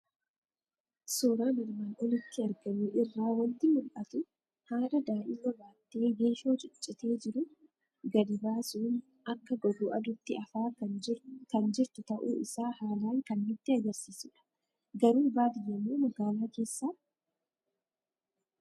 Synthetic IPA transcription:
soːɾaːnɪɾmaːnɔlɪt̪ːɪɐɾɡɐmiːʔɪrːaːwɐnt̪ɪmʊlʔɐt̪ʊ | haːɾɐd̪aːʔɪlɔbaːt̪ːe̞ːɡe̞ːʃo̞ːt͡ʃʼʊt͡ʃʼːɪt̪e̞ːd͡ʒɪɾʊ | ɡɐd̪ɪbaːsuːn | ʔɐkːɐɡɔɡʊːʔɐd̪ʊt̪ːɪɐfaː | kɐnd͡ʒɪɾt̪ʊt̪ɐʔṵːɪsaːhaːlaːŋkɐnːɪt̪ːɪɐɡɐɾsiːsɪᶑɐ̥ | ɡɐɾuːbaːd̪ɪjːɐmːuːmɐɡaːlaːke̞ːsːaː

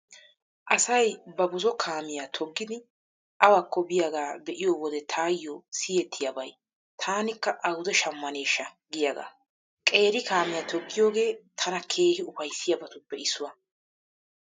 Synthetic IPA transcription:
ʔɐsɐjbɐbʊzɔkʰaːmɪjat̪ʰɔɡːɪd̪ɪ | ʔɐwakːɔbɪjaɡaːbɛʔɪjɔwɔd̪ɛt̪ʰaːjːɔsɪjɛt̪ʰːɪjɐbɐj | t̪ʰaːnɪkːɐʔɐwʊd̪ɛʃɐmːɐne̞ːʃːɐ | ɡɪjaɡa̰ː | kʼe̞ːɾɪkaːmɪjat̪ɔɡːɪjo̞ːɡe̞ːt̪ʰɐnɐkʰe̞ːhɪʊfɐjsːɪjɐbɐt̪ʊpːɛɪsːʊwɐ

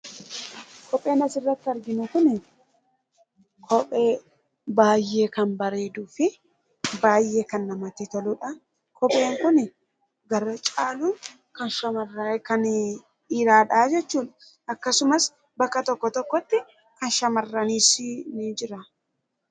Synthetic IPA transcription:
kɔpʼːe̞ːnɐsɪrːɐt̪ːɪɐɾɡɪnʊkʊnɪ | kʰɔpʼːeː | baːjːe̞ːkɐnbɐɾe̞ːd̪uːfɪ | baːjʔe̞ːkɐnːɐmɐt̪ɪt̪ɔlʊᶑɐ | kʰɔpʼːe̞ːŋkʊnɪ | ɡɐɾɐt͡ʃʼaːluː | kɐnʃɐmɐrːkɐn | iːɾaːᶑaːd͡ʒɛt͡ʃːuːᶑɐ̥ | ɐkːɐsʊmɐs | bɐkːɐt̪ɔkːɔt̪ɔkːɔt̪ːɪ | kɐnʃɐmɐrːɐniːsnid͡ʒɪɾɐ

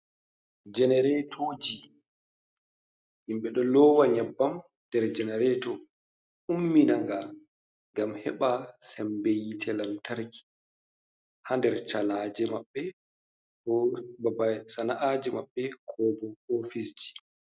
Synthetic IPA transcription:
d͡ʒɛnɛɾɛtʰoːd͡ʒi | himɓɛɗɔlɔːwaɲabːam | d̥ɛɾd͡ʒɛnɛɾɛtɔ | umːinaŋɡa | ɡamhɛɓasɛmbejitʰɛlamtʰaɾkʰi̥ | handɛɾt͡ʃalad͡ʒɛmaɓːɛ | babasanaʔad͡ʒɛma̰ɓːɛkʰɔːbɔofisd͡ʒi̥

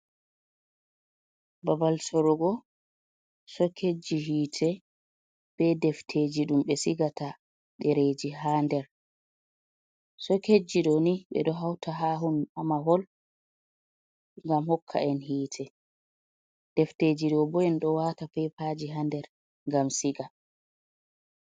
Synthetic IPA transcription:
babalsɔɾɔɡɔ | sɔkʰed͡ʒiɦiːtʰɛ | b̥ɛdɛftʰed͡ʒiɗumɓɛsiɡata | ɗɛɾed͡ʒiɦaːndɛɾ | sɔked͡ʒiɗɔniɓɛ̰ɗɔɦawtʰaɦaːɦunamaɦɔl | ŋɡamhɔkʰːa̰ʔɛnɦiːtʰɛ | d̥ɛfted͡ʒiɗɔbɔɛnɗɔwaːtafɛpaːd͡ʒiɦandɛɾ | ŋɡamsiɡa

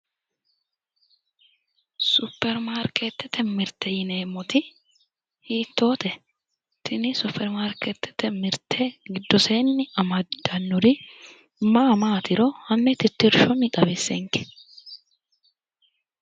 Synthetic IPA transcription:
sʊpːɛɾmaːɾket̪ːɛt̪ʰːɛmɪɾt̪ːɛjɪneːmɔt̪ɪ | hiːt̪ːo̞ːt̪ɛ | t̪ʰɪnɪsʊpʰːɛɾmaːɾkɛt̪ːɛ̥t̪ːɛmɪɾt̪ʰeɡɪd̪ːɔseːnːɪɐmɐd̪ɐnːʊɾɪ | maːmaːt̪ɪɾɔhɐnːɛt̪ɪt̪ːɪɾʃɔnɪt̪ʼɐbɪsːɛ̰ŋkɪ̥

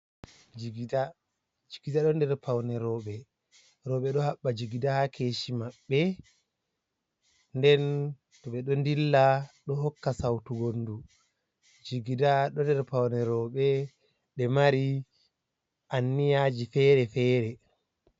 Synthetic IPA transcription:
d͡ʒɡda | d͡ʒiɡidaɗɔndɛɾpʰawnɛɾɔːɓɛ | ɾɔɓɛɗɔhaɓːad͡ʒiɡidahakʰeːʃimaɓːɛ | ndɛn | tɔɓɛɗɔndilːaɗɔɦɔkːasawtuɡondu | d͡ʒiɡidaɗɔndɛɾpawnɛɾɔɓɛ | ɗɛmaɾi | ʔanːijad͡ʒifɛːɾɛfɛːɾɛ

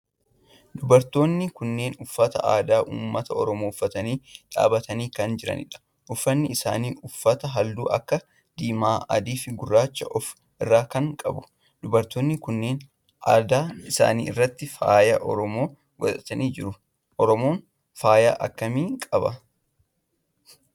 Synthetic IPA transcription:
d̪ʊbɐɾt̪o̞ːnːɪkʊnːe̞ːnʊfːɐt̪ɐ̰ʔaːd̪aːʔṵːmːɐt̪ɐɔɾɔmoːʊfːɐt̪ɐniːᶑa̰ːbɐt̪ɐniːkɐnd͡ʒɪɾɐ̰nɪ̰ᶑɐ̥ | ʔʊfːɐnːɪɪsa̰ːniːʔʊfːɐt̪ɐɦɐld̪ṵːʔɐ̰kːɐ | d̪̥iːmaːʔɐ̰d̪iːfɪɡʊrːaːt͡ʃːɐʔɔf | ɪrːaːkɐŋkʼɐbʊ̥ | d̪̥ʊbɐɾt̪oːnːɪkʊnːe̞ːn | aːd̪aːɪsa̰ːnḭːɪ̰rːɐt̪ːɪfa̰ːjɐʔɔ̰ɾɔmo̞ː | ɡɔ̰t̪ʼɐt̪ɐniːd͡ʒɪɾʊ | ʔɔɾɔmo̞ːn | faːja̰ːʔɐkːɐmiːkʼɐbɐ

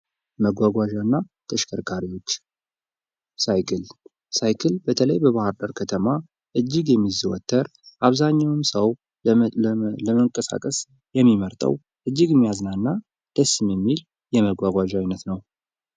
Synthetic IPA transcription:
məɡʷaɡʷaʒanːat̪ʰəʃkʰəɾkʰaɾiwo̞t͡ʃː | sajkʰɨl | sajkʰɨlbət̪ʰələjbəβahɨɾd̪əɾkʰət̪ʰəma | ʔɨd͡ʒːɪɡjɛmːiziwɔ̰t̪ʰːəɾ | ʔaβzaɲːawɨmsəw | ləməŋkʼəsa̰kʼəs | jɛmːiməɾt̪ʼə̰w | ʔɨd͡ʒːɪɡɨmːijaznaɨnːa | d̪̥əsːɨmjɛmːil | jɛməɡʷaɡʷaʒajnət̪nəw

